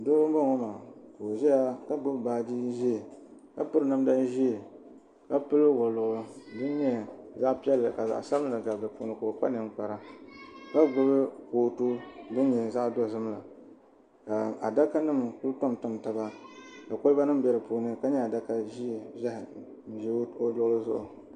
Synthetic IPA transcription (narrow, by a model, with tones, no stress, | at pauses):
doː˦bo˦ŋo˦ma˨ko˨ʒɛ˦ja˦ka˦ɡ͡bʊ˦bbaː˦d͡ʒi˦ʒi˦e˨ka̰˦pɨ˦ɾɨ˦na˦m˦da˦n˦ʒi˦e˨ | ka˦pɨ˦lɨ˦wɔ˨lʊ˨ʔbɨ˦n˦ɲɛ˦za˦ʔpi˦ɛ˦lɨ˨ka˨za̰˨ʔsa˦bla˨ɡa˨bɨ˨po˦nɨ˦ko˨k͡pa̰˦nɨ˨ŋk͡pa˨ɾa˦ka˦ɡ͡bʊ˦bɨ˦koː˨to˦bɨ˦n˦ɲɛ˨za˦ʔdɔ˦˨zɨ˦m˦la˨ | ka˨a˨da˦ka˦nɨ˦m˨ku˦lto˦mtʊ˦mta˨ba˦ka˨kʊ˦lba˦nɨ˦m˦bɛ˦ɾɨ˨pu˨˦nɨ˦ka˦ɲɛ˦a˨da˦ka˦ʒi˦˨bɛ˦hɪ˨ | ʒi˦o˦dʊ˦ʔlɨ˦zʊ̰˦ʔʊ˨